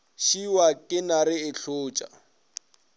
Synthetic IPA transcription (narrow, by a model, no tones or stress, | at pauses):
ʃiwakʼɪnarɪɪɬoːt͡ʃʼa̰